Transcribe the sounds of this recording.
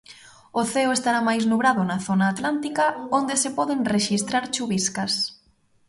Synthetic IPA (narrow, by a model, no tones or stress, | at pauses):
ʊθeʊest̪aɾamajznuβɾaðʊnɐθonaːt̪lant̪ikɐond̪esepɔðeŋreʃist̪ɾaɾt͡ʃuβiskɐs